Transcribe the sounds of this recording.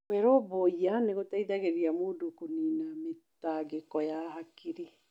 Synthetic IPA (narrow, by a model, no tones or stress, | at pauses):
wɛɾoboianeɣotaiðaɣeɾiamoːdokoniːnametaɡekɔjahakiɾe